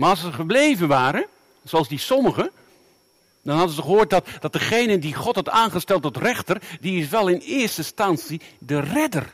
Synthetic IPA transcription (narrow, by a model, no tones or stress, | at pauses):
maːɹɑlˠs̬əχəblejvənʋaːɾə | zoɑlˠzdisɔməχə | dɑnɦɑdənzəχəɦoːɹt̚dɑtd̥ɑt̚dəχejnədiχɔtɦɑtaːnχəstɛlˠtɔtrɛχtərdiɪs̬ʋɛlˠɪnɪːɹstəstɑnsidərɛdə̰r